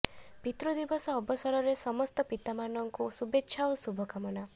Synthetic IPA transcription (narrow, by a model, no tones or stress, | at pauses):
pit̪ɾɔd̪ibɔsɔːbɔsɔɾɔɾesɔmɔst̪ɔpit̪amanɔŋkusubetːʃʰaosubʱɔkamɔna